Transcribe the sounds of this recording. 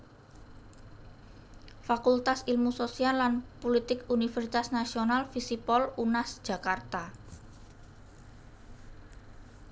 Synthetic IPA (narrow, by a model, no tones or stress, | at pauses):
fakult̪asilmusosialːanpolit̪ɪkunifɛrsit̪asnasionalfisipɔlunasd̥ʒ̥a̤kart̪a